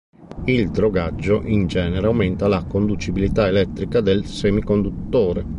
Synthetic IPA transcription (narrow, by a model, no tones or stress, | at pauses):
ild̪ɾoɡad͡ʒːoʔind͡ʒɛːneɾeawment̪alakond̪ut͡ʃibilit̪aelɛt̪ːɾikad̪elsemikond̪ut̪ːɔːɾe